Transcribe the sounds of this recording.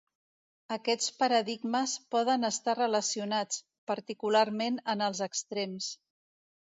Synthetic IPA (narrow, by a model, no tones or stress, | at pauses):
əkɛt͡spəɾəðiɡməspɔðənəst̪arələsiunat͡s | pəɾt̪ikularmenənəlˠzəkst̪ɾems